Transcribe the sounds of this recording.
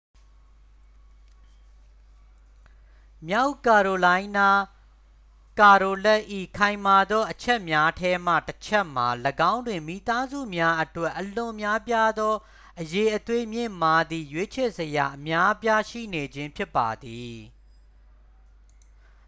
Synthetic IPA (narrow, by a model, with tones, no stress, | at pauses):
mja˦ʊka˨ɹo˨lã˦ɪ̃na˦ | ka˨ɹo˨lɛ˦ʔḭ˦˨kʰã˨ɪ̃ma˨d̪ɔ˦ʔət͡ɕʰɛ˦ʔmja˦tʰɛ˦m̥ä̰˦˨tət͡ɕʰɛ˦ʔm̥a˨ləɡã˦ʊ̃ndwɪ̃˨mḭ˦˨t̪a˦zṵ˦˨mja˦ʔətwɛ˦˨ʔːəlʊ̃˨ʔmja˦pja˦d̪ɔ˦ | ʔəje˨ʔət̪we˦mjɪ̰̃˦˨ma˨d̪ḭ˦˨jwe˦t͡ɕʰɛ˦˨zəja̰˨ʔəmja˦pja˦ʃḭ˦˨ne˨d͡ʑɪ̃˦mpʰjɪ˦pːa˨d̪i˨